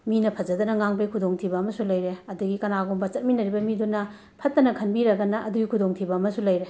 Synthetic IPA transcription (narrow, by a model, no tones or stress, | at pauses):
minɐpʰɐd͡ʒɐdɐnɐŋaŋbejkʰudoŋtʰibɐːmɐsulɐjɾeɐduɡikɐnaɡombɐt͡ʃɐt̚minɐɾibɐmidunɐ | pʰɐt̚ːɐnɐkʰɐnbiɾɐɡɐnɐʔɐduɡikʰudoŋtʰibɐːmɐsulɐjɾe